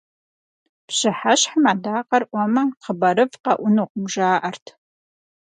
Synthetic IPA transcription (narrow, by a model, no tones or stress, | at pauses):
pɕɪħaɕħmaːdaːqɐrʔʷɔmɐqəbɐɾɨvqɐʔʷʊnuːqʷʊmʒaːʔɐrtʰ